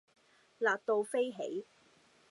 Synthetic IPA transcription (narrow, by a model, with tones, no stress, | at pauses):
laː˨t̚t̪o˧wfe˥jɦḛ˨˥j